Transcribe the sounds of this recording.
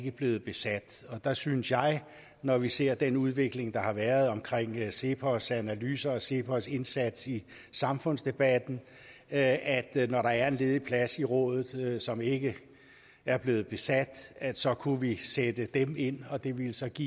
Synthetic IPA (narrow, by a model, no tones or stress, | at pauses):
ɡ̥əb̥le̝ːð̩ˠb̥e̝sæd̥ɒ̽d̥ɑ̈synsjɑ̈ɪ | nɒʋise̝ɐ̰d̥enuð̞ˠʋe̝ɡ̥le̝ŋd̥ɑ̈hɑ̈ʋæːɐð̞ˠɒ̽mkʰʁeŋ̰se̝pʰɒsænælyːsɐɒ̽se̝pʰɒse̝nsæd̥si | sɑ̈mfɔ̽n̰sd̥e̝b̥æd̥n̩ | æd̥nɒɾɑ̈æɐe̝nle̝ːðˠipʰlæsiʁɔ̽ːðˠð̞̩ˠsɒ̽me̝ɡ̥ə | æɐb̥le̝ːð̩ˠb̥e̝sæd̥æ̥sɒ̽kʰuʋised̥əd̥eme̝n̰ɒ̽d̥e̝ʋe̝lsɒ̽ɡ̥ḭ